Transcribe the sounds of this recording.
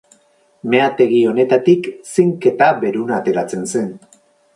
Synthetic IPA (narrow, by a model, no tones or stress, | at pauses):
me̞at̪e̞ɣio̞ne̞t̪at̪iksiŋke̞t̪aβe̞ɾunaːt̪e̞ɾat͡se̞nse̞n